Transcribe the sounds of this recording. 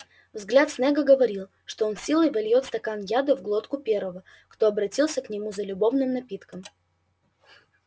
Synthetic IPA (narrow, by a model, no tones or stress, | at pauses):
vzɡlʲat̪snɛɡəɡəvɐɾʲilˠ | ʂt̪oonsʲilˠəjvɐlʲjot̪st̪ɐkanjad̪əvɡlˠo̞t̪kʊpʲeɾvəvə | kt̪oɐbɾɐtʲilˠsʲəknʲɪmuzəlʲʊbo̞vnɨmnɐpʲit̪kəm